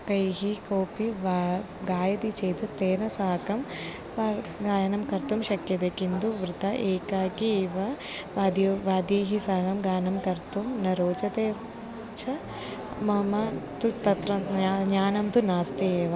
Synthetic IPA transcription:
kɐjɦikoːpiʋ | ɡaːjɐt̪it͡ʃeːt̪ut̪eːnɐsaːkɐm | ʋaɡaːjɐnɐmkɐɾt̪umʃɐkːjɐd̪ekind̪uʋɾɪt̪ɐʔeːkaːkiːʋɐʋaːd̪jɐʋaːd̪jeːɦisaːɡɐmɡaːnɐmkɐɾt̪umnɐɾoːt͡ʃɐt̪eː | t͡ʃʰɐ | mɐmɐt̪ut̪ɐt̪ɾɐaɲaːnɐmt̪unaːst̪eeːʋɐ

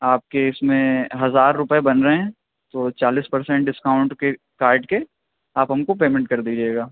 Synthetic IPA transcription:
aːp̚keɪsmẽɦɐzaːɾːʊpebɐnɾɐɦɛ̃ | t̪ot͡ʃaːliːspɐɾsɛ̃ɳʈ̚ɖɪskaːʊ̃ɳʈke | kaːɾɖke | aːpɦɐmkopeːmɛ̃ɳʈkɐɾd̪id͡ʒaeːɡaː

